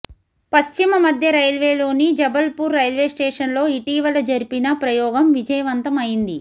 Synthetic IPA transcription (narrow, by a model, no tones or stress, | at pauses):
pɐst͡ʃimɐmɐd̪ʱjɐɾɐjlʋeːlo̞ːnid͡ʒɐbɐlpuːɾːɐjlʋeːsʈeːʂɐnlo̞ːiʈiːʋɐlɐd͡ʒɐɾipinɐpɾɐjɔːɡɐmʋid͡ʒɐjɐʋɐnt̪ɐmɐjind̪i